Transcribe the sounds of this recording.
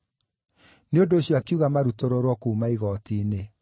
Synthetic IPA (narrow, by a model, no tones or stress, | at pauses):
neondoːɕjɔakiuɣamaɾutoɾoɾwɔkuumaiɣɔtiːne